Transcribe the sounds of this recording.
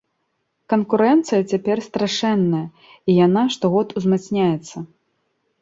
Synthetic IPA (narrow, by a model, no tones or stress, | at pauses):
kɐnkuɾɛnt̪sɨjɐt͡sʲapʲɛrst̪ɾaʂɛnːɐjɐ | ijanaʂt̪ɔɣɔt̪uzmat̪snʲajɛt̪sːɐ